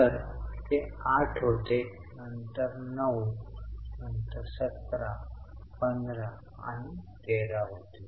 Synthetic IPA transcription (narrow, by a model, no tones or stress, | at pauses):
t̪əɾt̪eaʈʰɦot̪e | nənt̪əɾnəw | nənt̪əɾsət̪ɾapənd̪ɾa | a̰ñiɡeɾaɦot̪e